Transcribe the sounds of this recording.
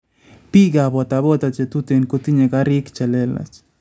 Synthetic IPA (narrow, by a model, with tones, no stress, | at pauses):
pi˦ɡabɔ˨t̪abɔ˦t̪at͡ʃet̪ut̪e˨nkut̪i˦ɲe˨ka˦ɾi˦kt͡ʃa˨lɛ˦la̰t͡ʃ